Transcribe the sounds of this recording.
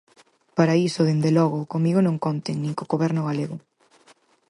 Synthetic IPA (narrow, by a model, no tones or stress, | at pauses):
paɾaisʊðend̪elɔɣ̞ʊkomiɣonõŋkɔnt̪ɪŋnĩŋkoɣoβɛɾnʊɣ̞aleɣʊ